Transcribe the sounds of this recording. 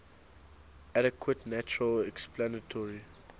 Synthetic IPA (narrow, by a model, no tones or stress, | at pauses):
aɾɛkʰwətnæt͡ʃuɹəlɛksplanətʰɔɹi